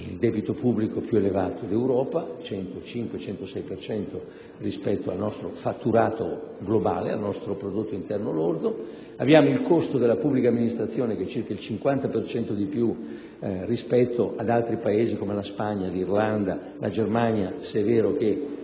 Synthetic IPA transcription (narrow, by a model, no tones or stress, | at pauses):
ild̪ɛbit̪opubːlikopjuelevaːt̪od̪iewɾɔːpat͡ʃɛnt̪ot͡ʃiŋkwet͡ʃɛnt̪osɛjpert͡ʃɛnt̪o | rispɛt̪ːoa̰lnɔst̪ɾofat̪ːuɾaːt̪o̰ɡloba̰ːlḛa̰lnɔst̪ɾopɾod̪ot̪ːoint̪ɛrnolord̪o | a̰bjaːmoilkost̪od̪elːapubːlikamːinist̪ɾat̪sːjoːnek̟et͡ʃːirkailt͡ʃiŋkwant̪apert͡ʃɛnt̪od̪ipju | rispɛt̪ːoʔad̪alt̪ɾipaeːzikomelaspaɲːalirland̪a | lʔa̰d͡ʒermaɲjasɛveːɾok̟e